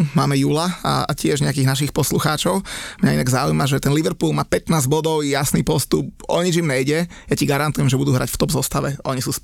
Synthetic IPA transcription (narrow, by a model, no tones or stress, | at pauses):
maːmɛjuːlaa̰acɪɛʒɲɛakiːɣnaʃixpɔsluxaːt͡ʃɔʊmɲainaɡzaujmaʒɛt̪ɛnliʋɛɾpuːlˠmaːpɛt̪naːzɟbɔd̪ɔʊjasniːpɔst̪up̚ɔɲid͡ʒimɲɛjɟɛjaciɡaɾant̪ujɛmʒɛbud̪uːɦɾa̰cft̪ɔbzɔst̪aʋɛɔɲisuːsp